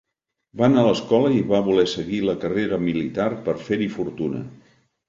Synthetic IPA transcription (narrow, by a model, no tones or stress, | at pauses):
banaːləskɔləiβaβulɛsəɣiləkəreɾəmilit̪arpəɾfeɾifuɾt̪unə̰